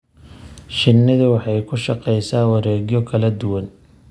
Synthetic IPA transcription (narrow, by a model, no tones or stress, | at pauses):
ʃɪnːɪðʊwɑħɑjkʰʊʃɑqɛjsaːwɑɾɛːɣjɔkʰɐlɐd̪ʊwɐn